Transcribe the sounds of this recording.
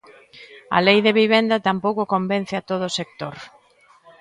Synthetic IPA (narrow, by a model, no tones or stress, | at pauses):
ɐ̰lejðeβiβ̞end̪ɐt̪ampowkʊkombẽn̟θeat̪oð̞ʊsek̚t̪oɾ